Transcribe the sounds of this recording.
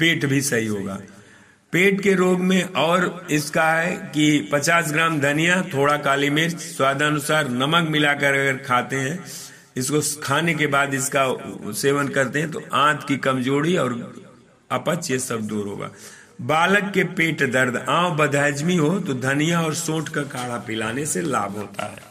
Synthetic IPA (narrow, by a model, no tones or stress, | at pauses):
peːʈbʱisɐɦiɦoːɡa̰ː | peːʈkeɾoːɡmẽʔɔːɾɪskaɦɛkipɐt͡ʃaːs̬ɡɾaːmd̪ʱɐnijat̪ʰoːɽakaːlimɪɾt͡ʃswaːd̪ʱaːnʊsaːɾnɐməkmɪlakəɾɐɡəɾkʰaːt̪eɦɛ̃ | ɪskokʰaːnek̬ebaːd̪ɪskaseːʋənkɐɾt̪eɦɛ̃t̪oʔãːt̪ʰkikɐmd͡ʒoːɽiɔːɾ | ɐpət͡ʃjesɐb̚d̪uːɾɦo̰ːɡa̰ː | baːləkːepeːʈd̪əɾd̪ʱãːobɐd̪ʱəːd͡ʒmiɦot̪od̪ʱɐnijaɔːɾsõːʈkakʰaːɽapɪlaːnesela̰ːbʱɦoːt̪a̰ɦɛ̰ː